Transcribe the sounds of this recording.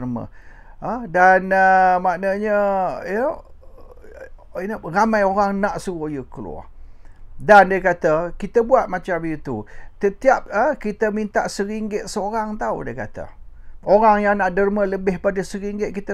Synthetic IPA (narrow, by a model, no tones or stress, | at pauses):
rmə̰ | ədanəmaʔnəɲəjə | inəramãjoɾaŋnaʔsuɣojəkəlṵa̰ | dandəkat̪əkit̪əbuat̪̚mat͡ʃamit̪ut̪ət̪iap̚əkit̪əmint̪a̰ʔsəɾiŋɡɪt̪̚səoɾaŋt̪audḭkat̪ə̰oɾaŋjaŋnaʔdərmələbɪhpadəsəɾiŋɡɪt̪̚kit̪ə